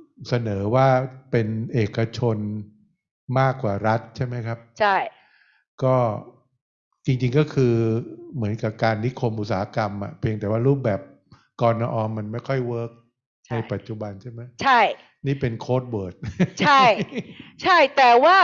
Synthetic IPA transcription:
sa˧nɤː˩˦waː˥˩pe˧nʔeː˨˩kːa˧t͡ɕʰo˧n | maː˥˩kːwaː˨˩ɾa˦˥t̪̚t͡ɕʰa˥˩jma˦˥jkʰa˦˥p̚t͡ɕʰa˥˩j | kɔː˥˩ | t͡ɕi˧ŋt͡ɕi˧ŋkɔː˥˩kʰɯː˧mɯ˩˦ənka˨˩p̚kaː˧nːi˦˥kʰo˧mʔu˨˩saː˩˦ha˦˧ka˧mʔa̰˨˩pʰi˧ŋt̪ɛː˨˩waː˥˩ɾuː˥˩p̚bɛː˨˩p̚ | kɔː˧naː˧ʔɔː˧mːa˧nma˥˩jkʰɔ˥˩jwɤː˦˥k̚ | t͡ɕʰna˧jpa˨˩t̪̚t͡ɕu˨˩ba˧nt͡ɕʰa˥˩jma˦˥jt͡ɕʰa˥˩j | niː˥˩pe˧nkʰoː˦˥t̪̚wɤː˨˩t̪̚t͡ɕʰa˥˩jt͡ɕʰa˥˩jt̪ɛː˨˩waː˥˩

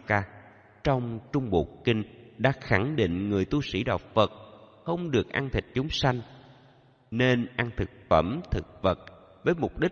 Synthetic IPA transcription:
kaː˧ | t͡ɕɔ˧wŋ͡mt͡ɕʊ˧ŋ͡mɓṵ˨˩k̚kï˧ŋ̟ɗa̰ː˧˥xa˧˩ŋɗḭ˧˨ŋ̟ŋɨ˨˩əjt̪u˧sḭ˧˩ɗa˨˩wk͡p̚və˨˩t̚xə˧wŋ͡mɗɨ˨˩ək̚ʔaː˧ŋt̪ʰï˨˩k̟̚t͡ɕʊ˨˦ŋ͡mswa˧jŋ̟ | ne˧nʔa˧ŋt̪ʰɨ˨˩k̚fə˧˩mt̪ʰɨ˨˩k̚və˨˩t̚ | vəː˨˦jmʊ˨˩k͡p̚ɗï˦˥

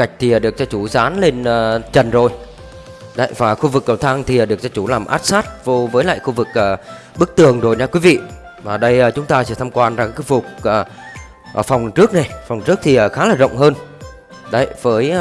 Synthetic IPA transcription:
ka˨˩jk̚t̪ʰi˨˩ə˨˩ɗɨ˨˩ək̚zɔ˧t͡ɕu˧˩zaː˨˦nle˧nʔəː˨˩t͡ɕə˨˩nzo˨˩j | ɗə̰˨˧˦jvaː˨˩xu˧vɨ˨˩kːə˨˩wt̪ʰaː˧ŋt̪ʰi˨˩əː˨˩ɨ˨˩ək̚zɔ˧t͡ɕu˧˩laː˨˩mʔa̰ː˦˥t̚saː˦˥t̚vo˧vəː˨˦jla̰ː˧˨jxu˧vɨ˨˩k̚ʔəː˨˩ | ɓɨ˦˥k̚t̪ɨ˨˩əŋzo˨˩jɲaː˧kwi˨˦vḭ˧˨ | maː˨˩ɗə˧jʔəː˨˩t͡ɕʊ˨˦ŋ͡mt̪aː˧t͡ɕi˧˦t̪ʰaː˧mkwaː˧nzaː˨˩ŋka˨˦vʊ˨˩k͡p̚əː˨˩ | ʔəː˨˩fa˨˩wŋ͡mt͡ɕɨ˦˥ək̚na˨˩jfwŋ͡mt͡ɕɨ˦˥ək̚t̪ʰi˨˩ʔəː˨˩xaː˨˦laː˨˩zə̰˧˨wŋ͡mɦəː˧n | ɗə˨˦jvəː˨˦j

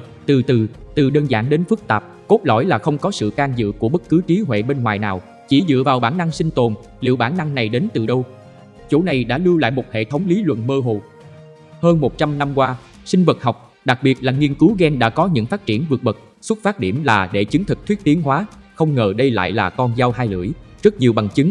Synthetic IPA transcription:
t̪ɨ˨˩t̪ɨ˨˩t̪ɨ˨˩ɗəː˧nza̰ː˧˩nɗe˨˦nfɨ˦˥k̚t̪aː˨˩p̚ko˦˥t̚lɔ̰˧˩jlaː˨˩xə˧wŋ͡mkɔ˨˦sɨ̰˧˨kaː˧nzɨ̰˧˨ku˧˩əɓə˦˥t̚kɨ˨˦t͡ɕi˨˦ɦwḛ˧˨ɓe˧nŋwaː˨˩jnaː˨˩w | t͡ɕi˧˩zɨ̰˧˨vaː˨˩wɓaː˧˩na˧ŋsï˧ŋ̟t̪o˨˩n | lḭ˧˨əwɓaː˧˩nːa˧ŋna˨˩jɗe˨˦nt̪ɨ˨˩ɗə˧w | t͡ɕo̰˧˩na˨˩jɗa̰ː˧˥lɨ˧wla̰ː˧˨jmo˨˩t̚hḛ˧˨t̪ʰə˨˦wŋ͡mli˨˦lwə̰˧˨nməː˧ɦo˨˩ | həː˧nmo˨˩t̚t͡ɕa˧mna˧mkwaː˧ | sï˧ŋ̟və˨˩t̚ɦɔ˨˩wk͡p̚ | ɗa˨˩k̚ɓi˨˩ət̚laː˨˩ŋi˧ənkɨ˨˦wɣɛ˧nɗa̰ː˧˥kɔ˨˦ɲɨ̰˧˥ŋfaː˦˥t̚t͡ɕi˧˩ənvɨ˨˩ət̚ɓə˨˩t̚ | swə˦˥t̚faː˦˥t̚ɗḭ˧˩əmlaː˨˩ɗe˧˩t͡ɕɨ˨˦ŋt̪ʰɨ˨˩k̚t̪wət̚t̪i˨˦ənɦwaː˨˦xə˧wŋ͡mŋəː˨˩ɗə˧jla̰ː˧˨jlaː˨˩kɔ˧nzaː˧whaː˧jlɨ̰˧˩əjzə˦˥t̚ɲi˨˩əwɓa˨˩ŋt͡ɕɨ˨˦ŋ

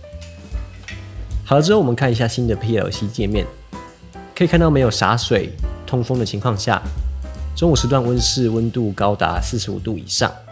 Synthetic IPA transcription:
hɑ˨˩də˦ʈ͡ʂɻ̩˥xo˥˩wmə˦nkʰa˥˩ni˧˥ɕja˥˩ɕi˦˥nd̪ə˨pʰi˥˩lə̰˨˩ʊɕi˥t͡ɕjɛ˥˧mjɛ˥˩˨n | kʰə˧˥˨kʰa˥˩˧t̪ɑ˥˩me˧˥ɪjʊʂa̰˧˥swe˨˩ɪt̪ʰʊ˥ŋfo˥ŋd̪ə˨t͡ɕʰi˧˥ŋkʰwɑ˥˧ŋɕja̰˥˩ | ʈ͡ʂo˥ŋu˨˩ʂɻ̩˧t̪̬wa˥˨nwə˦nʂɻ̩˥˩˨wə˦˥nt̪u˥˩kɑ˥ʊt̪a̰˧˦sɹ̩˥˩ʂɻ̩˧˥ṵ˨˩t̪u˥˩ḭ˨˩ʂɑ̰˥˩ŋ

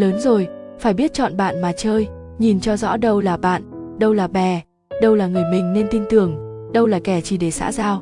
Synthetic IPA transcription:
ləː˨˦nzo˨˩jfaː˧˩jɓi˦˥ət̚t͡ɕɔ̰˧˨nɓa̰ː˧˨nmaː˨˩t͡ɕəː˧j | ɲi˨˩nt͡ɕɔ˧zɔ̰˧˥ɗə˧wlaː˨˩ɓa̰ː˧˨nɗə˧wlaː˨˩ɓɛ˨˩ | ɗə˧wlaː˨˩ŋɨ˨˩əjmï˨˩ŋ̟ne˧nt̪i˧ŋ̟t̪ɨ˨˩əŋ | ɗə˧wlaː˨˩kɛ˧˩t͡ɕi˧˩ɗe˧˩sa̰ː˧˥zaː˧w

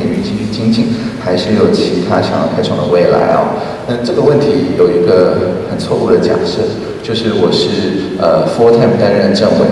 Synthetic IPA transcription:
y˧˥t͡ɕi˥t͡ɕy˥˩t͡ɕi˥ŋt͡ɕi˥˩ŋxa˧˥ɪʂɻ̩˥˩jo˨˩ʊt͡ɕʰi˧˥t̪ʰa˥ɕɑ˨˩ŋjɑ˥˩ʊkʰa˥ɪʈ͡ʂʰɑ̰˨˩ŋd̪ə̰˧we˥˩ɪla̰˧˥ɪɐ̰˧˩ | na˥˧ʈ͡ʂɤ˥˩ɡə˩wə˥˩nt̪ʰi˧˥jo˨˩ʊi˧˥ɡə˧xə˨˩nt͡sʰwɔ˥˧u˥˩d̪ə˩t͡ɕja̰˨˩ʂ̩˥˩ | t͡ɕjo˥˧ʊʂɻ̩˥˩wɔ˨˩ʂɻ̩˥˩ | ə˧fɔ˥t̪ʰɛ˥˩mt̪a˥nɻə˥˧nʈ͡ʂə˥˩ŋwɛ˥˩

